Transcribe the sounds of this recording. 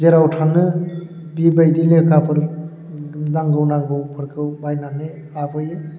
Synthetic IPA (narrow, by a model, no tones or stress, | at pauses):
zeɾawtʰanɯ | bibajdilekʰapʰɯɾ | naŋɡɯwnaŋɡɯwpʰɯɾkʰɯwbajnanɯ | abɯjɯ